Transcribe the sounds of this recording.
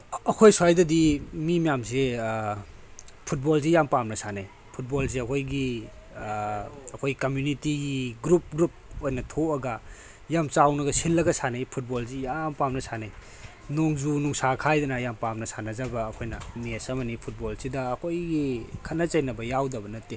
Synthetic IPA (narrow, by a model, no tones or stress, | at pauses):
ɐkʰojsuajdɐdimimijamse | pʰut̚bolzijampamnɐsanaj | pʰut̚bols̬eɐkʰojɡi | ɐkʰojɡikɐmjunitiɡiɡɾup̚ɡɾup̚ojnɐtʰoɐɡɐ | jamt͡ʃawnɐɡɐsilːɐɡɐsanajpʰut̚bolzijampamnɐsanaj | noŋzunuŋsakʰajdɐnɐjampamnɐsanɐzɐbɐːkʰojnɐmiesɐmɐnipʰut̚bolsidɐːkʰojɡikʰɐnɐt͡ʃɐjnɐbɐjawdɐbɐnɐtːe